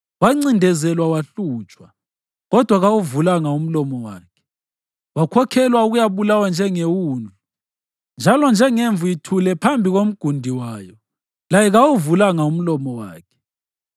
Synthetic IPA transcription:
waŋ͡ǀindʱɛzɛlwawaɬuːt͡ʃʼwa | ɣɔd̥ʱwaɣawuvulaŋaum̩lɔmɔwa̰ːkʰɛ̥ | wakʰɔkʰɛlwauɣujaβulawand͡ʒʱɛŋewuːnʱu | nd͡ʒʱalɔnd͡ʒʱɛŋeɱvujitʰulɛpʰambʱiɣom̩ɡ̥ʱundʱiwaːjɔ | lajɛɣawuvulaŋaum̩lɔmɔwa̰ːkʰɛ̥

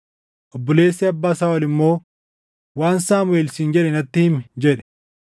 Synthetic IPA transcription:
ʔɔbːɔleːsːeɐbːaːsaːwɐlɪmːo̞ː | waːnsaːmweːlsɪnd͡ʒɛᶑɛnɐt̪ːɪhɪmd͡ʒɛᶑɛ̥

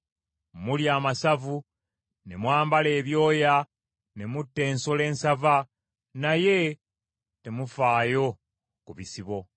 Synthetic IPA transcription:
muljaːmasavu | ne̞mwaːmbale̞ːβjo̞ːja | ne̞mutːe̞ːnsole̞ːnsava | naje̞ | te̞mufaːjo̞ | kuβisiβo̞

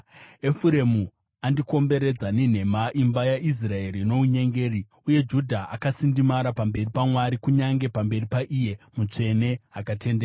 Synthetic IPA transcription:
efuɾe̞mu | andiko̞mbe̞ɾe̞d͡zanin̤e̞maʔimbajaʔis̬rae̞ɾino̞uɲe̞ŋɡe̞ːri | uje̞d͡ʒudʱaa̰kasindimaɾapambe̞ripamwaɾikuɲaŋɡe̞pambe̞ripaʔije̞mut͡ʂe̞ne̞akatʰe̞ndeːa

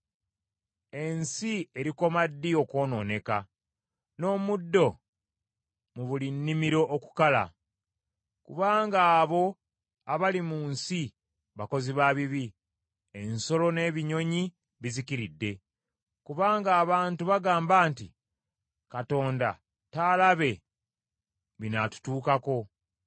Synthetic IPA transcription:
e̞nsieɾiko̞madːio̞ko̞ːno̞̰ːne̞ka | no̞ːmudːo̞ | muβulinːimiɾo̞ʔːku̥kala̰ | kuβaːŋɡaːβo̞ | aβalimunsi | βako̞ziβaːβiβi | enso̞lo̞ne̞ːβiɲo̞ɲi | βizikiɾidːe̞ | kuβaːŋɡaːβaːntuβaɡaːmbaːnti | kato̞ːnda̰ | taːlaβe̞ | βinatu̥tuːkako̞

